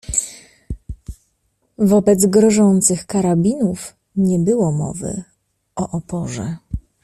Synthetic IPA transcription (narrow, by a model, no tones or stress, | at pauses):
vɔbɛd̪zɡɾɔʐɔnt̪sɘxkaɾabʲinuf | ɲɛbɘwɔmɔ̰vɘ̰ | ɔʔɔpɔʐɛ̰